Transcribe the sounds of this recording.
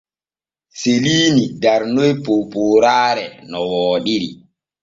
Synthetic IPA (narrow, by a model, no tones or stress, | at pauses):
seliːnidaɾnojpopoːɾaːɾɛnɔwɔːɗiɾḭ